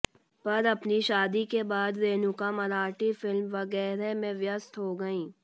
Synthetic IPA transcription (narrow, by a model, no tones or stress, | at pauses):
pɐɾɐpniʃaːd̪ikebaːd̪ɾeːnʊkamɐɾaːʈifɪlmʋɐɣɛːɾemẽʋjəst̪ɦoɡɐĩː